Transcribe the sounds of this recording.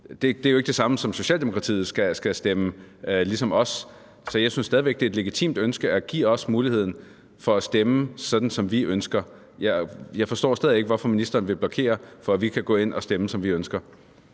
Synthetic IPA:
d̥e̝d̥e̝æɐjoe̝ɡ̥d̥e̝sɑ̈məsɒ̽mso̝ɕɛ̰ːld̥emo̝kʰʁɑ̈t͡sʰḭːð̩ˠsɡ̥æsɡ̥æsd̥eməlisɒ̽mɒ̽s | sɒ̽jɑɪsynsːdɛðˠiʋeɡ̥̚d̥eedle̝ɡ̥it͡sʰḭːmd̥ønsɡ̥əæɡ̥ḭːɒ̽smuːlihe̝ð̞̰ˠn̩ | fɒ̽æsd̥eməsɒ̽d̥n̩sɒ̽mʋiʔønsɡ̥ɐ | jɑɪjɑ̈ɪfɒ̽sd̥ɒ̰ːsd̥ɛð̞ˠieɡəʋɒfɒ̽minisd̥ɐːn̩ʋe̝b̥lɒ̽kʰe̝̰ːɐfɒ̽æʋikʰæɡ̥ɔ̰̽ːe̝n̰ʔɒ̽sd̥eməsɒ̽mʋiønsɡ̥ɐ

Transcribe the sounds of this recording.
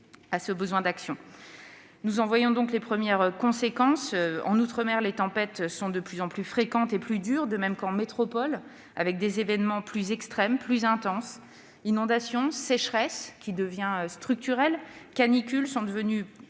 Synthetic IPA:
asəbəzwɛ̃d̪aksjɔ̃ | nuzɑ̃vwajɔ̃d̪ɔ̃klepχəmjɛʁkɔ̃sekɑ̃søɑ̰̃nut̪χəmɛʁlet̪ɑ̃pɛt̪sɔ̃d̪əplyzɑ̃plyfχekɑ̃t̪eplyd̪yʁd̪əmɛmkɑ̃met̪χɔpɔl | avɛk̚d̪ezevɛnmɑ̃plyzɛkst̪χɛmplyzɛ̃t̪ɑ̃s | inɔ̃d̪asjɔ̃sɛʃχɛskʲid̪əvjɛ̃øst̪χyk̚t̪yʁɛlkanikʲylsɔ̃d̪əvəny

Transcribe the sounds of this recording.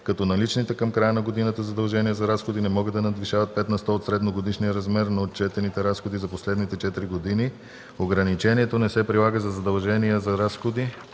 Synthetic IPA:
kɐt̪ɔnɐlit͡ʃnit̪ɛkɐmkɾajənɐɡod̪inət̪əzɐd̪ɐlˠʒɛniəzɐɾasxod̪inɛmɔɡəd̪ɐnɐd̪viʃavɐt̪̚pɛt̪nɐst̪ɔːt̪sɾɛd̪noɡod̪iʃnijəɾɐzmɛɾnɐot̪t͡ʃɛt̪ɛnit̪ɛɾasxod̪izɐposlɛd̪nit̪ɛt͡ʃɛt̪iɾiɡod̪ini | oɡɾɐnit͡ʃɛniɛt̪onɛsɛpɾilˠaɡəzɐzɐd̪ɐlˠʒɛnijəzɐɾasxod̪i

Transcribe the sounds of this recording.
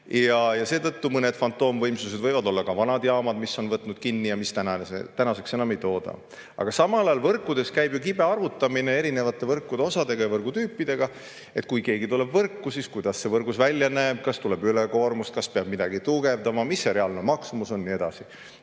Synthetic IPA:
jɑjɑse̞ːt̪ɤt̪ːumɤne̞d̪̥fɑnt̪ːˑo̞ːmvɤjmsused̪̥vɤjvɑd̪o̞lːɑkɑvɑnɑd̪̥jɑːmɑd̪̥misːo̞nvɤt̪ːˑnud̪̥̚kinːijɑmist̪ænɑḛt̪ænɑse̞kse̞nɑme̞jt̪o̞ːd̪̥ɑ̰ | ɑ̰ɡ̥ɑsɑmɑlɑjɑlvɤrkːˑud̪̥e̞skæjbjukib̥e̞ɑrvut̪ːˑɑmine̞e̞ɾine̞vɑt̪ːˑe̞vɤrkːud̪̥eo̞sɑd̪e̞ɡ̥ɑjɑvɤrɡ̥ut̪yːpːid̪̥e̞ɡ̥ɑ | e̞t̪̚ːˑkujke̞ːɡit̪ule̞bvɤrkːusiskujd̪̥ɑsːe̞vɤrɡ̥usvælʲjɑnæːb̥̚kɑst̪ule̞byleko̞ːrmust̪̚kɑspeɑb̥̚mid̪ɑɡ̥it̪uɡe̞vd̪ɑmɑmisːeɾe̞ɑlnomɑksumuso̞nːie̞d̪̥ɑ̰si

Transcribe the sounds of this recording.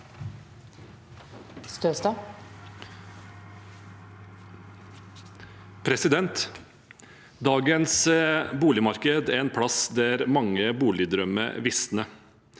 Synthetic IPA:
st̪øːst̪ɑ | pʰɾɛsɪd̪ɛnt̪ | d̪ɑːɡənsbuːlɪmɑɾkəd̪æɾɛːnpʰɽɑsd̪æɾmɑŋːəbuːlɪd̪ɾœmə̰ʋɪsnə

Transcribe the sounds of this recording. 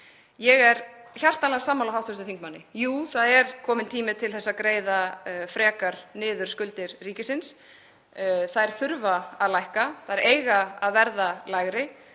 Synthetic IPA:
jɛɣɛɾçjar̥t̪anlaɣasaːmawlawɦawt̪ʏst̪ʏθiŋkmanːɪjuːθaðɛɾ̥kʰɔːmɪnt̪ʰiːmɪt̪ʰɪlθɛsːakɾeːjðafɾɛːkaɾ̥nɪːðʏɾ̥skʏlt̪ɪɾ̥riːcɪsɪns | θaðɛɾ̥θʏɾvaaðlajhkaθaðɛɾeːjɣaaðvɛɾðalajɣɾɪ

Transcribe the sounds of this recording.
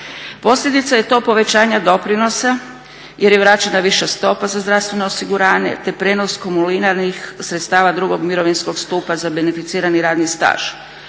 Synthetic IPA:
po̞sʎʲed̪it̪saje̞t̪o̞ːpo̞ʋe̞t͡ɕaːɲad̪o̞pɾino̞sa | jʔeɾjeʋɾat͡ɕenaʋiʃast̪o̞pazazd̪ɾafst̪ʋe̞no̞osiɡuɾaːɲe̞̰t̪e̞pɾeːno̞skomulinaɾnixsɾet̪st̪aːʋad̪ɾuɡo̞ɡmiɾo̞ʋinsko̞ɡst̪uːpazabe̞nefit̪siːɾaniɾaːd̪nist̪a̰ːʒ̥

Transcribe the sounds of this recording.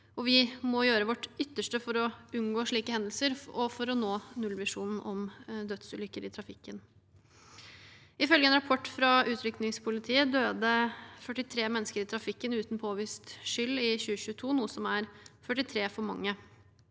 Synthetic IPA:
ɔʋɪmɔjøːɾəʋɔʈʏt̪ːəʂʈəfɔɾɔʉnɡoːʂɭiːkəhɛnd̪lsəɾɔfɔɾɔnoːnʉlːʋɪʂuːnn̩ʔɔmd̪œd̪sʉːlʏkːəɾɪt̪ʰɾɑfɪkːən | ɪfœlɡəɛːnɾɑpʰɔʈːfɾɑʔʉːt̪ʰɾʏknɪŋspʰʊlɪt̪ʰiːəd̪øːd̪əfœʈːɪt̪ʰɾeːmɛnːəskəɾɪt̪ʰɾɑfɪkːənʉːt̪npʰoːʋiːst̪ʂʏlːɪçʉːəçʉːət̪ʰuːnuːəsɔmæɾfœʈːɪt̪ʰɾeːfɔɾmɑŋːə

